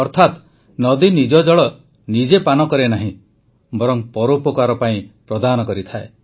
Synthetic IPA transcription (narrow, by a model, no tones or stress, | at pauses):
ɔɾt̪ʰat̪ | nɔd̪inid͡ʒɔd͡ʒɔɭɔ | nid͡ʒepanɔkɔɾenaɦĩ | bɔɾɔŋpɔɾopɔkaɾɔpaĩpɾɔd̪anɔkɔɾit̪ʰae